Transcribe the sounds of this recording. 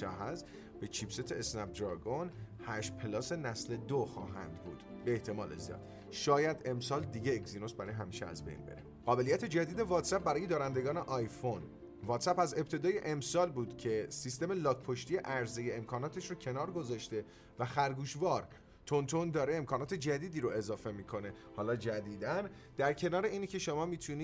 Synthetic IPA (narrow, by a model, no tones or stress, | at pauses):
æ̰ɦæz | b̥e̞t͡ʃʰibse̞t̪ʰeːsnæp̚d̪ɾɒɡonhæʃpʰelɒːse̞næsle̞d̪oxɒ̰ːɦæ̰nd̪bṵːd̪̥ | beːht̪ʰe̞mɒːlḛzijɒ̰d̪̥ | ʃɒːjæd̪e̞msɒːld̪iːɟeːkzino̞sbæɾɒːjeɦæmiːʃḛæ̰zbe̞̰jnbḛɾḛ | ɢ̥ɒːbe̞lijæt̪ʰe̞d͡ʒæd̪iːd̪e̞vɒːt̪ʰsæp̚bæɾɒːje̞d̪ɒːɾænd̪e̞ɡɒːneʔɒjfo̞n | vɒːt̪sæpæze̞p̚t̪ʰe̞d̪ɒːje̞ʔemsɒːlbuːd̪̥cʰe̞sist̪e̞melɒːkpʰoʃt̪ijeʔæɾzejeemkʰɒːnɒːt̪ʰe̞ʃɾocʰe̞nɒːɾɡo̞zɒːʃt̪e̞ | væxæɾɡuːʃvɒːɾ | t̪ʰont̪ʰo̞nd̪ɒːɾeːmkʰɒːnɒːt̪ʰe̞d͡ʒæd̪iːd̪iːɾoe̞zɒːfe̞miːkʰo̞ne̞hɒːlɒːd͡ʒæd̪iːd̪æn | d̪̥æɾcʰe̞nɒːɾe̞iːnicʰe̞ʃo̞mɒːmiːt̪ʰuniː